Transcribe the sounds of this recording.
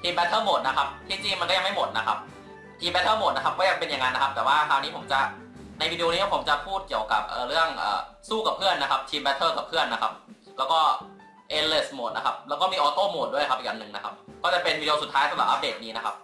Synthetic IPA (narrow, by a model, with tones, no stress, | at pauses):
t̪ʰiː˧mbɛ˦˥t̪ʰːɤː˥˩mo˨˩t̪̚na˦˥kʰa˦˥p̚t̪ʰiː˥˩t͡ɕi˧ŋma˧nkɔː˥˩ja˧ma˥˩jmo˨˩t̪̚na˦˥kʰa˦˥p̚ | t̪ʰiː˧mbɛ˦˥t̪ʰɤː˥˩mo˨˩t̪̚na˦˥kʰa˦˥p̚kɔː˥˩ja˧ŋpe˧nja˨˩ŋa˧nːa˦˥kʰa˦˥p̚t̪ɛː˨˩waː˥˩kʰaː˧wniː˦˥pʰo˩˦mt͡ɕa˨˩ | na˧jwiː˧di˧o˧niː˦˥pʰo˩˦mt͡ɕa˨pʰuː˥˩t̪̚ki˨˩əwka̰˨˩p̚ʔɤː˨˩ɾɯ˥˩əŋʔɤ̰ː˨˩suː˥˩ka˨˩pʰɯ˥˩əna˦˥kʰa˦˥p̚t̪ʰiː˧mbɛ˦˥t̪ʰːɤː˥˩ka˨˩pʰɯ˥˩ənːa˦˥kʰa˦˥p̚ | lɛː˦˥wkɔː˥˩ | ʔe˧˥le˥˩smo˨˩t̪̚na˦˥kʰa˦˥p̚lɛː˦˥wkɔː˥˩miː˧ʔɔː˧t̪oː˥˩mo˨˩du˥˩əjkʰa˦˥p̚ʔiː˨˩ʔa˧nːɯ˨˩ŋna˦˥kʰa˦˥p̚kɔː˥˩t͡ɕa˨˩pe˧nwiː˧di˧o˧st̪ʰːaː˦˥jsa˧˦la˨˩ʔa˦˥p̚deː˨˩t̪̚niː˦˥na˦˥kʰa̰˦˥p̚